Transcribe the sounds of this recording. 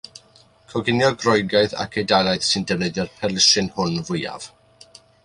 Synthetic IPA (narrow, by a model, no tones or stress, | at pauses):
kʰɔɡɪnjɔɡrɔjɡaɨθa̰kʰejdajlˠajθsɨndɛvnɛðɛrpʰɛrlˠɪʃɨnhʊnvʊja̰v̥